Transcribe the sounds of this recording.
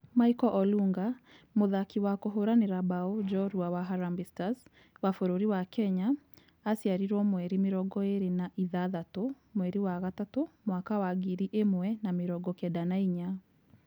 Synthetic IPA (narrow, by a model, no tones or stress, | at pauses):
maikɔʔɔluŋɡa | moðakiwakoɦoɾaneɾabaod͡ʒɔɾuawaɦaɾambistas | wafoɾoɾiwakɛɲaː | sjaɾiɾɔmwɛɾimeɾɔɡɔeɾenaʔiðaðato | mwɛɾiwaɣatatomwakawaɡiɾiʔemwɛnameɾɔɡɔkɛdanaiɲa